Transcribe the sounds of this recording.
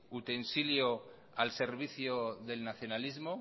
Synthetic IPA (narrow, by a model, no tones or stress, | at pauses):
ut̪ensiljo | alse̞ɾβ̞iθjoðe̞lnaθjo̞nalizmo